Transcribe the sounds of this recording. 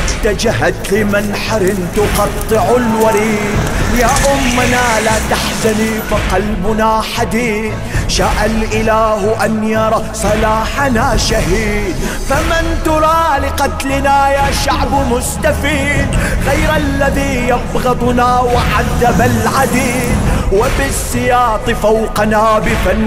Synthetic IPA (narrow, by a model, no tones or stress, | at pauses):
t̪ad͡ʒaɦad̪lɪmɪnħaɾɪnt̪ʊqɑt̪ˤːɨʕʊlwaɾiːd̪jaːʔʊmːanalat̪aħzanifaqɑlbʊnaħad̪iːθ | ʃaʔalʔɪlaːhʔanjɑɾˤɑ | sˤɑlaːħanaʃaɦiːd̪ | famɪnt̪ʊɾˤɑːlɪqɑt̪lɪnajaːʃaʕbmʊst̪afiːd̪ɣajɾʔalːaðiːjɑbɣɑd̪ˤʊnaːwɪʕaðːabalʕad̪iːd̪wɪbɪsˤːɨjɑːt̪ˤɨfawqɑnaːbɪfan